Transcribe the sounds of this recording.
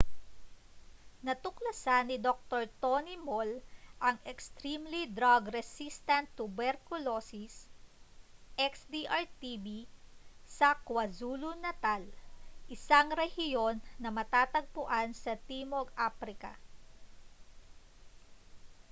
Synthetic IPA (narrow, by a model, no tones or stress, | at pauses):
nɐt̪ʊklɐsanɪd̪ok̚t̪oɹt̪onimolʔɐŋɛkst̪ɾimlid̪ɾaɡɾɛsist̪ɐnt̪ːʊbɛɾkʊlosis | ʔɛksd̪iʔaɹt̪ibi | sɐkwɐzulʊnɐt̪alʔɪsaŋɾɛhɪjo̞nːɐmɐt̪aːt̪ɐɡ̚pʊʔansɐt̪iːmoɡʔapɾɪkɐ̰